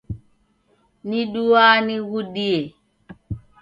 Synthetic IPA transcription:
niɗuaniɣuɗiɛ

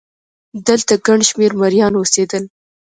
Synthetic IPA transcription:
d̪əlt̪aɡaɳʃmeɾmaɾjɑnosed̪əl

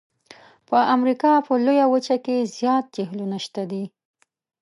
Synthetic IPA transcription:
pəʔamɾikɑpəlojawət͡ʃakezjɑt̪̚d͡ʒeɦlunaʃt̪ad̪i

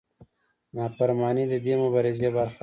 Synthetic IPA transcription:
nɑːpaɾmɑːnid̪əd̪emʊbaɾɪzebaɾx

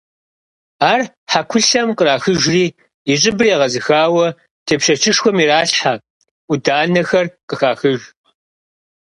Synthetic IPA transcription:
aːr | ħakʷʰʊɬɐmqəɾaːxɨʒriː | ɪɕʼɪbɨrjɛʁɐzɨxaːwɐ | tʰeːpɕɐt͡ʃʰɪʂxʷɔmiɾaːɬħa | ʔʷʊdaːnɐxɐrqəxaːxɨʒ

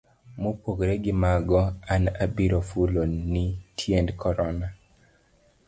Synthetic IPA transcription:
mopoɡɾeɡɪmaɡɔanabiɾofulonitʰjendkʰɔɾɔna

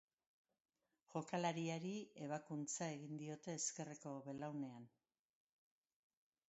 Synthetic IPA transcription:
ʝo̞kalaɾiaɾie̞β̞akunt͡sae̞ɣind̪io̞t̪e̞ːske̞reko̞βe̞lawne̞an

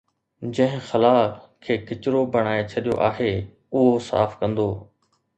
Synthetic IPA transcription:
d͡ʑɐ̃ɦɪ̃xɐlaːkʰːeːkɪt͡ɕʊɾobɐɽ̃aːet͡ɕʰɐɗijo̰ʔaːɦeː | ʊɦosa̰ːfkɐ̃nd̪oː

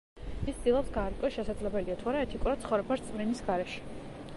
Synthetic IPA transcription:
ist̪d̪̥ilˠɔpsɡaːɾkʼɔʃɛsad̪zlɛbɛliat̪ʰuaɾaɛt̪ʰikʼuɾad̪̥̚t̪sχɔvɾɛbast̪sʼminisɡaɾɛʃɛ̥

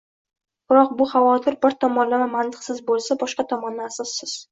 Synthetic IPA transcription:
b̥ɪɾɒq̚bʊχavɒt̪ʰɪɾbɪɾt̪ʰɒmɒnlavamant̪ʰɪ̥qsɪzbolˠsabɒʃqɑt̪ʰɒmɒnːaasɒsːɪz̥

